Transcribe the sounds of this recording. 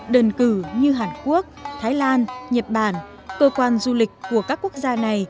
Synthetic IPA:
ɗə˨˩nkɨ˧˩ɲɨ˧ɦaː˨˩nku˦˥ək̚t̪ʰaː˨˦jlaː˧nɲə˨˩t̚ɓaː˧˩n | kəː˧kwaː˧nzu˧lï˨˩k̟̚ʲku˧˩əkaː˦˥kːu˦˥ək̚zaː˧na˨˩j

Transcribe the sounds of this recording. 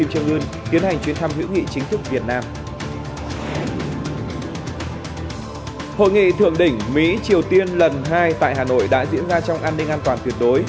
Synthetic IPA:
i˧mt͡ɕɨ˧ŋʔɨː˧nt̪i˨˦ənha˨˩jŋt͡ɕwi˨˦ənt̪ʰa˧mhḭ˧˥wŋḭ˧˨t͡ɕï˨˦ŋt̪ʰɨ˦˥k̚vi˨˩ət̚naː˧m | ho̰˧˨jŋḭ˧˨t̪ʰɨ̰˧˨əŋɗï˧˩ŋ̟mḭ˧˥t͡ɕi˨˩əwt̪i˧ənlə˨˩nɦaː˧jt̪a̰ː˧˨jɦaː˨˩no̰˧˨jɗa̰ː˧˥zḭ˧˥ənzaː˧t͡ɕɔ˧wŋ͡mʔaː˧nːi˧ŋ̟ʔaː˧nt̪waː˨˩nt̪wi˧˩ɗo˨˦j

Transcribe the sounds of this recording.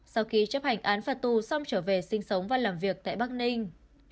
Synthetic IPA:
sa˧wxi˨˦t͡ɕə˦˥p̚ha˨˧˩jŋ̟ʔaː˨˦nfaː˨˩t̪u˨˩sɔ˧wŋ͡mt͡ɕəː˧˩ve˨˩sï˧ŋ̟sə˨˦wŋ͡mvaː˨˩laː˨˩mvi˨˩ək̚t̪a̰ː˧˨jɓaː˦˥k̚nï˧ŋ̟

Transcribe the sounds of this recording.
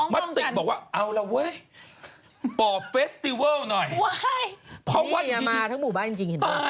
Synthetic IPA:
ma˦˥t̪ːi˨˩k̚bɔː˨˩k̚waː˥˩ʔa˧wla˧wɤ˦˥j | pɔː˨˩fe˦˥st̪i˧wəː˥˩wnɔ˨˩jwajpʰɾɔ˦˥wa˦˥a˧maː˧t̪ʰa˦˥ŋmuː˨˩baː˥˩nt͡ɕi˧ŋt͡ɕi˧ŋi˨˩a˦˧

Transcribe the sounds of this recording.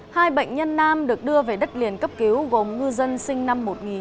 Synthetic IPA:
haː˧jɓə̰˧˨jŋ̟ɲə˧nːaː˧mɗɨ˨˩ək̚ɗɨ˧əve˨˩ɗə˦˥t̚li˨˩ənkə˦˥p̚ki˨˦wɣo˨˩mŋɨ˧zə˧nsï˧ŋ̟na˧mːo˨˩t̚ŋi˨˩

